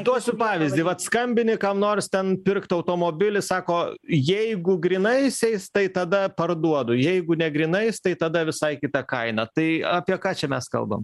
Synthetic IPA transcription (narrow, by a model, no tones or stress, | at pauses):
d̪uɔsʲʊpɑːʋʲɪzʲd̪ʲɪʋɐt̪skɐmʲbʲɪnʲɪkɑmnoːrst̪ʲɛnpʲɪrkt̪ɐʊt̪oːmoːbʲɪlʲɪsɑːkoːjɛɪɡʊɡɾʲinɐɪsʲɛɪst̪ɐɪt̪ɐd̪ɐpɐrd̪uɔd̪ʊjɛɪɡʊnʲɛɡɾʲɪnɐɪst̪ɐɪt̪ɐd̪ɐʋʲɪsɐɪkʲɪt̪ɐkɐɪnɐt̪ɐɪɑːpʲiɛkɑːt͡ʃʲɛmʲɛskɐ̰lˠbɐ̰m